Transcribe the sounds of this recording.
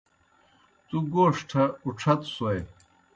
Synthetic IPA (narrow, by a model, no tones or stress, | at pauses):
t̪uɡoːʂʈʰɐuʈ͡ʂʰɐt̪sɐj